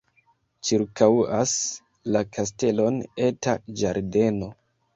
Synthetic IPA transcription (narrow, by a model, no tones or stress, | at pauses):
t͡ʃiɾkawas | lakʰas̬te̞lo̞ne̞tad͡ʒaɾde̞no̞